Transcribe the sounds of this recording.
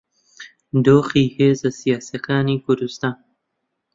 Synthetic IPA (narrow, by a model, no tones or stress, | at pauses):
d̪oːxiːheːzasijaːsjakaːniːkʊɾd̪ust̪aːn